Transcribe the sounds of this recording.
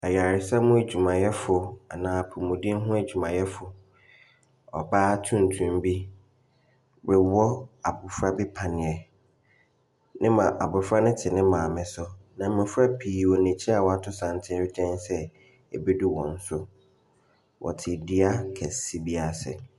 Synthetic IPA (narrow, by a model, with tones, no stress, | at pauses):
a˨ja˨ɾɪ˨sa˦mʊ̃˦e˨d͡ʑᶣu˨mã˨jɛ˦fʊ˨a˨nãː˨˦˨pʰʊ˨mʊ̃˨dĩ˦n˦ɦʊ̃˦e˨d͡ʑᶣu˨mã˨jɛ˦fʊ˨ | ɔ̰˨baː˦tʰũ˦n̩˨tʰũ˨m˦bi˦ | bɪ˨wɔ˦a˨bʊ˨fɾa˦bɪ˦pʰã˨nɪ̃˨ɛ˨ | nɪ̃˦mã˨ʔa˨bʊ˨fɾa˦nɪ̃˦tʰɪ˨nɪ̃˦mãː˨mɪ̃˨sɔ˦nã˨m̩˦mɪ̃˨fɾa˦pʰiː˨wɔ˨nẽ˨t͡ɕʰi˦a˨wɔ˨a˨tʰʊ˦sã˨n˦tʰɪ̃˦d͡ʑʰɛ̃˦nsɛ˦ | e˨be˦du˦wɔ̰̃˨n̩˦sʊ˦ | wʔɔ̰˨tʰɪ˨dɪ˦a˦kʰɛ˨si˦bi˦a˨sɛ̰˨